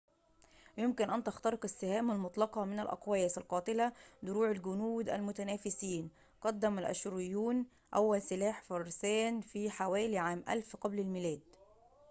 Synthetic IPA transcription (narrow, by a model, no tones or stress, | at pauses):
jʊmkɪnʔænt̪ɑxt̪ɑɾɪqɪsːɪhæːmælmʊt̪ˤlɑqɑmɪnælʔɑ̰qwæjɪsɪlqɑːt̪ˤɪlæd̪ʊɾuːʕalɡʊnuːd̪æ̰lmʊt̪ænæːfɪsiːn | qɑd̪ːæmælʔæ̰ʃɾɪjːuːn | ʔæwːælsɪlaːħfɑɾˤsæːnfiːħawæːliʕaːmʔæ̰lfqɑblɪlmɪlæːd̪